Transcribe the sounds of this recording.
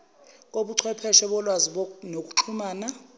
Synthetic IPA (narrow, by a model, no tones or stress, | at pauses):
k̬ʼoɓuǀʰwɛpʰɛʃɛɓɔlwaziɓonok̬ʼu̥t͡ɬʰumaːna